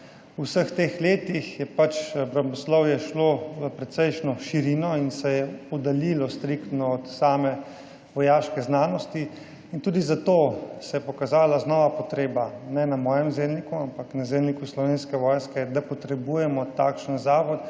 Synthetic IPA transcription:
usəxt̪exleːt̪ixjɛpat͡ʃbɾɐmɔslɔwjɛʃloəpɾɛt̪sɛjʃnɔʃiɾiːnɔinsɛjɛɔd̪alilɔst̪ɾikt̪nɔɔt̪saːmɛ | ʋɔjaːʃkɛznaːnɔst̪i | int̪uːd̪izat̪oːsɛjɛpɔkazaːlaznɔːʋapɔt̪ɾeːbanɛnamɔːjɛmzemnikuampaknazeːmnikuslɔʋeːnskɛʋɔːjskɛd̪apɔt̪ɾɛbuːjɛmɔt̪akʃənzaːʋɔt̪

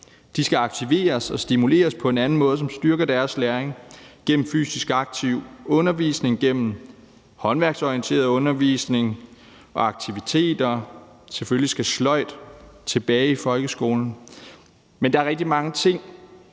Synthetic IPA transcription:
d̥isɡ̥æɑ̈ɡ̥t͡sʰiʋe̝̰ːɐsɒ̽sd̥imule̝̰ːɐspʰɒ̽e̝nænn̩mɔ̽ːð̞ˠsɒ̽msd̥ɶɐɡ̥ɐd̥æɐslæɐeŋɡ̥en̰m̩fy̰ːsisɡ̥ɑ̈ɡ̥̚t͡sʰiʊ̰ɔ̽nɐʋiːsne̝ŋɡ̥en̰m̩ | hɒ̽nʋæɐɡ̥sɒiənt͡sʰe̝̰ːɐðˠɔ̽nɐʋisne̝ŋ | ʔɒ̽ɑ̈ɡ̥̚t͡sʰiʋit͡sʰe̝̰ːd̥ɐseføllisɡ̥æslɒ̽ɪ̰d̥t͡sʰe̝b̥ɛːifɒ̽lɡ̥əsɡ̥o̝ːln̩ | mend̥ɑ̈æɐʁɛɡ̥̚d̥imɑ̈ŋət͡sʰe̝ŋ̰

